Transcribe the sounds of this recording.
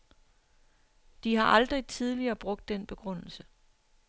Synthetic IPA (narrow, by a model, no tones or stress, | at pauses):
d̥iɦɑ̈ʔɑld̥ʁit͡sʰið̞ˠliɐːb̥ʁɔ̽ɡ̥̚d̥ːenb̥e̝ɡ̥ʁɔn̰l̩sə